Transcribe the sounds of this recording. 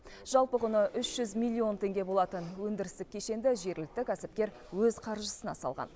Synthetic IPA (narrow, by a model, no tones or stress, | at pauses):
ʒ̥ɑlˠpəʁʊnəʔʏʃʒ̥ʏzmijlʲˠːio̞nt̪ʰe̞ŋɡʲe̞bo̞lˠɑt̪ənwɵnd̪ɪɾɪst̪ɪk̚ʲʰːe̞ʃe̞nd̪ɪʒe̞ɾɡɪlɪk̚t̪ɪkʲʰæsɪp̚kʲe̞ɾ | wɵzqʰɑɾʒəsənɑ̰sɑ̰lˠʁɑ̰n